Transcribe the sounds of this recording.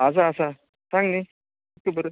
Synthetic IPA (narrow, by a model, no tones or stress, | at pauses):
as̬aːsa | saŋni | kːəbəɾ